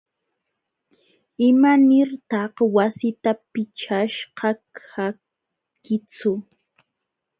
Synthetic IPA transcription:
ɪmanɪɾt̪ɑqwasɪt̪apɪt͡ʃaʃqɑkʰa | kɪt͡sʊ

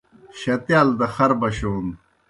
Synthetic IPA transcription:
ɕɐt̪jaːld̪ɐxɐɾbɐɕoːn

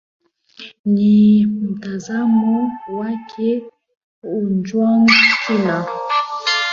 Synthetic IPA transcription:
nimutazamɔwakʰe | und͡ʒwaŋkina

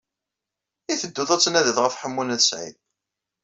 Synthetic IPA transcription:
iθəd̪ːuðˤæt͡sːnæðəθʁəfħəmːunæðəsʕḭl

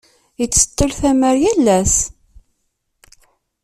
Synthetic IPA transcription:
jət͡sːə̥t̪ːəlθæməɾjælːæs

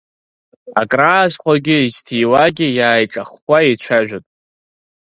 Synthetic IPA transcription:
a̰kʼraːzχʷaɡʲɪiztʰijwaɡʲɪjaːjʈ͡ʂʼaχʷaet͡ʃʷʰaʒᶣatʼ

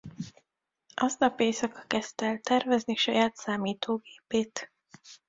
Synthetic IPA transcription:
ʔɒznɒpeːsɒkɒ̥kɛst̪ɛlt̪ɛrvɛzniʃɒjaːt̪saːmiːt̪ʰoːɡeːpeːt̪

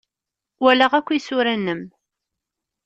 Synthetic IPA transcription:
wælæʁækʷːisʊɾænːəm

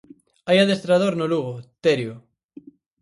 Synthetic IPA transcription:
ajaðest̪ɾað̞oɾnoluɣ̞ot̪eɾjo

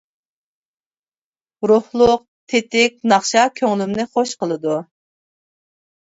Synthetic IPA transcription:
ɾʊhlˠʊq̚t̪ʰet̪ɪk̚ʲnɑχʃɑkʲʰøŋlymnɪχoʃqəlˠɨd̪u

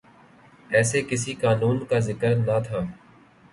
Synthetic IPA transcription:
ɛːsekɪs̬ikaːnuːnkazɪkəɾnat̪ʰaː

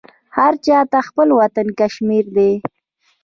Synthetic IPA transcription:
haɾt͡ʃɑt̪axpəlwat̪ankaʃmiɾd̪e

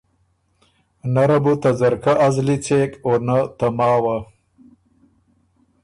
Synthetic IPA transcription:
naɾɐbut̪azɐɾkaʔːzlit͡seːkonat̪amɑːwa

